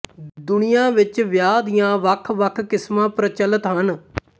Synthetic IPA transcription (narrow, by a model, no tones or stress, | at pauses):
d̪ʊnɪjãːʋɪt͡ʃʋjaːd̪ijãːʋəkʰʋəkʰkɪsmãːpɾət͡ʃələt̪ɦən